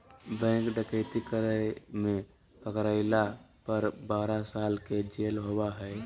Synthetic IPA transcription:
bɛ̃kɖəkəɪt̪ikəɾəjmẽ | pəkɾaɪlapəɾbaːɾasaːlked͡ʒeːlɦowaɦɛɪ

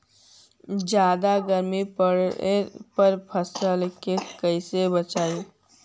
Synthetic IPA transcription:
d͡ʒjaːd̪aɡəɾmipəɽepəɾpʰəsəlkekəɪsebət͡ʃaːi

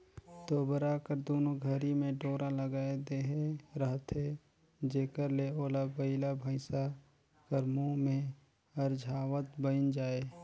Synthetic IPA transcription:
t̪oːbəɾakəɾd̪oːnoɡʱəɾimẽɖoːɾaləɡaːed̪eɦeɾəɦt̪ʰe | d͡ʒeːkəɾleoːlabəɪlabʱəɪsa | kəɾmumẽ | əɾd͡ʒʱaːwət̪̚bənd͡ʒaːe

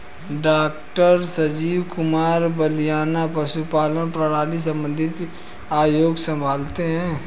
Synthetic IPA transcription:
ɖaːkʈəɾsɐd͡ʒiːʋkʊmaːɾbəlijaːnapɐʃupaːlənpɾəɽaːlis̬ə̃mbə̃nd̪ʱɪt̪ | aːjoːɡsə̃mbʱaːlt̪eɦɛ̃ː

